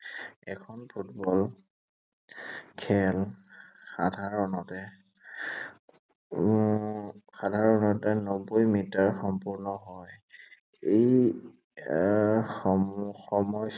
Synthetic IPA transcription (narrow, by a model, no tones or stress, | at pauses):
ɛkʰɔnpʰutbɔl | kʰɛlxadʱaɹɔnɔtɛ | xadʱaɹɔnɔtɛnobojmitaɹxɔmpuɹnɔɦɔj | ej | xɔmɔj